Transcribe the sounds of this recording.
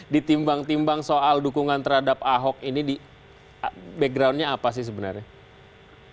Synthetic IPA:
dit̪imbaŋt̪imbaŋsoʔaldukuŋant̪ərhadap̚aɦɔk̚inidi | bɛk̚ɡɾawnɲaːpas̬ɪhsəbənarɲa

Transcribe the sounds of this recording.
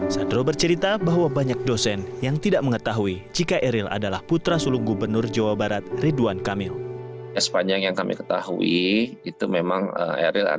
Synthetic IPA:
sadɾobərt͡ʃəɾit̪abaɦwabaɲak̚dosɛnjaŋt̪idaʔməŋət̪aɦuid͡ʒikaʔɛɾɪla̰dalahput̪ɾasuluŋɡubərnʊrd͡ʒawabaɾat̪̚riduankamɪljasə̥paɲd͡ʒaŋjaŋkamḭkə̥t̪a̰hṵiit̪umemaŋə̰mḛɾila̰

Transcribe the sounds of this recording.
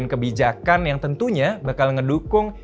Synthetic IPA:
nkəbid͡ʒakanjaŋt̪ənt̪uɲabakalŋədukʊŋ

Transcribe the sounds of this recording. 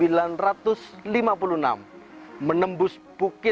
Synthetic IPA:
ilanrat̪ʊslimapuluna̰mːənəmbʊs | b̥ukɪ

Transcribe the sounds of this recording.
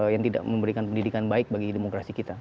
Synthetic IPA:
jaŋt̪ida̰ʔməmbəɾikanpəndidikanbaɪk̚baɡidemokɾasikit̪a

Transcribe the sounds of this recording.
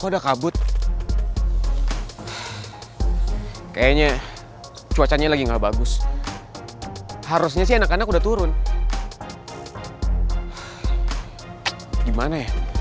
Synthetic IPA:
kadakabʊt̪̚ | kajaɲa | t͡ʃuat͡ʃaɲalaɡiŋɡabaɡʊs | haɾʊs̬ɲasɪanakanakudat̪uɾʊn | ɡimanaja

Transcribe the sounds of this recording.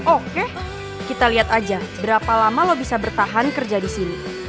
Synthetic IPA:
ʔoke | kit̪aliɦat̪ad͡ʒabəɾapalamalobisabərt̪aɦankərd͡ʒadisini

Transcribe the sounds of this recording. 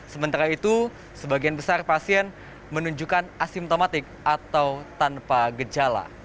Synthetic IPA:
səmənt̪aɾait̪u | səbaɡianbəsarpasiɛn | mənuɲd͡ʒukanasimt̪omat̪ɪk̚ʔat̪awt̪anpaɡəd͡ʒala̰

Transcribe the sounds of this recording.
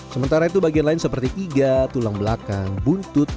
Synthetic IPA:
səmənt̪aɾait̪̬ubaɡianlaɪnsəpərt̪iʔiɡat̪ulaŋbəlakaŋbunt̪ʊt̪̚

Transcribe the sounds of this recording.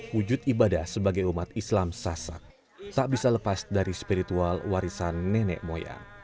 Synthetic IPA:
wud͡ʒʊt̪ibadahsəbaɡajumat̪islamsasa̰k̚ | t̪aʔbisaləpasdaɾispiɾit̪ualwaɾisanːɛnɛ̰ʔmoja̰

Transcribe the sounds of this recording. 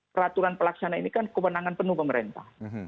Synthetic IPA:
pəɾat̪uɾanpəlaksanainikankəwənaŋanpənupəməɾent̪ah

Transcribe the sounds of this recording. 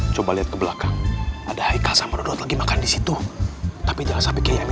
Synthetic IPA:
t͡ʃobaliat̪̚kəbəlakaŋadahajkasamadodot̪laɡimakandisit̪ut̪apid͡ʒaŋasapikajam

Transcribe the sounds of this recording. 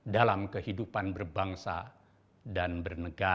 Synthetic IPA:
dalamkəhidupanbərbaŋsa̰ | danbərnəɡa

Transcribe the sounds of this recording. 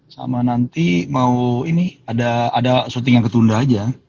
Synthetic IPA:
sa̰manant̪imauiniadaːdasut̪̬iŋjaŋkət̪undaɦad͡ʒa

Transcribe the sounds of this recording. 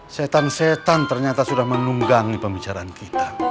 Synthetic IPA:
sɛt̪ansɛt̪ant̪ərɲat̪asudahmənuŋɡaŋipəmbit͡ʃaɾaːnkit̪ḁ

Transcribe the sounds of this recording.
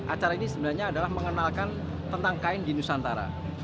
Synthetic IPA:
ʔat͡ʃaɾainisəbənahɲaːdalahməŋənalkan | t̪ənt̪aŋkaɪndinusant̪aɾa̰

